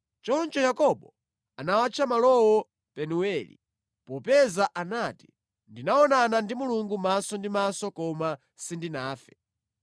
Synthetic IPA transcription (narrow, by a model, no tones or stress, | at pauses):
t͡ʃɔnt͡ʃɔjakɔɓɔ | anawat͡ʃʰamalɔwɔ | pɛnuwɛːlḭ | pɔpɛzaʔanaːti̥ | ndinaɔnanandimuluŋɡumasɔndimasɔkɔma | sindinaːfɛ